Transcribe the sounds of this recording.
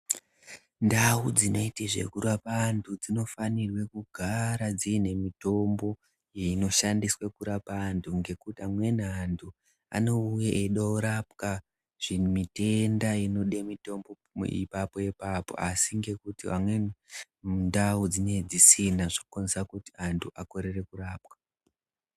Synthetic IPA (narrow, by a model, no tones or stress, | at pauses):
ndaud͡zino̞itiʐe̞̰kurapantʰud͡zino̞fanirwe̞kuɡʱaɾad͡ziine̞mito̞mbo̞ | jeino̞ʃandiswekuɾapantʰuŋɡe̞kutiamwe̞n̤andʰu | a̰no̞ujaʔeiɗouɾapka | ʐ̥imite̞ndaino̞ɗemito̞mbo̞ | ḭpapo̞jepaːpo̞̰asiŋɡe̞kutia̰mwe̞ | mundaud͡zine̞d͡zisinaʐokonsakutiantʰuʔako̞ɾe̞re̞kuɾaːpwḁ